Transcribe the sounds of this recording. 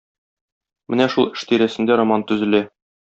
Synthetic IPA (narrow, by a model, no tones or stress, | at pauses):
mɘnæʃulˠɘ̥̆ʃt̪iɾæsɘ̆nd̪æɾomant̪ɵ̆zɘ̆læ